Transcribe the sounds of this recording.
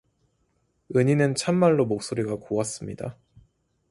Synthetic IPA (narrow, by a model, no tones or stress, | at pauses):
ɯɲinɯnt͡ɕʰamːaɭːomok̚s͈oɾiɡakoas͈ɯmɲida̰